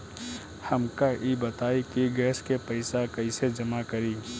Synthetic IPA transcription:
həmkaʔibət̪aːikiɡɛːskepəɪsakəɪsed͡ʒəmakəɾi

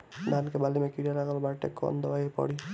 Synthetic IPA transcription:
d̪ankebalimekiɾaɾaɡalbaɾʈḛkːɔ̰nd̪ɔwajiɾpɔ̰ɽi

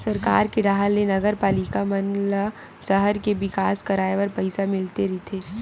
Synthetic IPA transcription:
sɐɾka̰ːɾkeɖaːɦəlːenɐɡəɾpaːlɪkamɐnla | sɐɦəɾkeʋɪkaːskɐɾaːeʋɐɾpɐɪsamɪlt̪eɾit̪ʰeː

